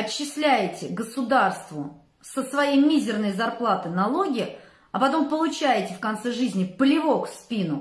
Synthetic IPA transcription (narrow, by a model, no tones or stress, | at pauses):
ɐɕːɪsʲlʲæjɪtʲɪɡəsʊd̪arst̪vʊ | səsvɐjejmʲizʲɪrnəjzɐrplˠat̪ɨnɐlˠo̞ɡʲɪ | ɐpɐt̪o̞mpəlˠʊt͡ɕæjɪtʲɪfkɐnt̪sɛʐɨzʲnʲɪpəlʲɪvo̞kspʲinʊ